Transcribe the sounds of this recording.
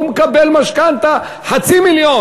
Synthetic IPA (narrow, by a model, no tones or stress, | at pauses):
mkabelmaʃkant̪a | ħat͡similjo